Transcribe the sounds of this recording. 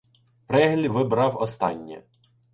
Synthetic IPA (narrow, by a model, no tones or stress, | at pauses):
pɾɛɦlʲiʋɪbɾɑwɔst̪ɑnʲːɛ̰